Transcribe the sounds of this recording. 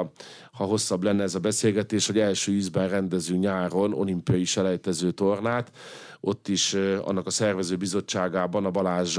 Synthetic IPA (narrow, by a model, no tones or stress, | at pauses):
hɒɦo̞sːɒblɛnːɛɛzɒbɛseːlɡɛt̪eːʃoɟɛlʃøːyzbɛnrɛnd̪ɛzyːɲaːɾo̞no̞̰limpijɒiʃɛlɛjt̪ɛzøːt̪o̞rnaːt̪ | ʔo̞t̪ːiʃɒ̰nːɒkɒsɛrvɛzøːbizo̞t͡ʃːaːɡaːbɒnɒbɒlaːʒ